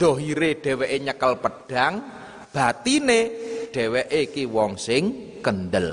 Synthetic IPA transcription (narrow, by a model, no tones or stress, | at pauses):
d̪̥ɔɦiɾeɖ̥ɛ̤weʔeɲəkəlpəɖ̥aŋ | b̥at̪ineɖ̥ɛ̤weʔekiwɔŋsɪŋ | kənd̪əl